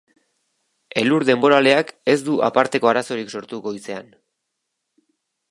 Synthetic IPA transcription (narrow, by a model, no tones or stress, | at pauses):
e̞luɾðe̞mbo̞ɾale̞ake̞zd̪uʔa̰paɾt̪e̞ko̞aɾaso̞ɾikso̞ɾt̪uɣo̞jse̞an